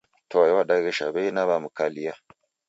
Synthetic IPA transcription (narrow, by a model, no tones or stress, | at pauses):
tojwaɗaiɡəʃa̰benaβamukalija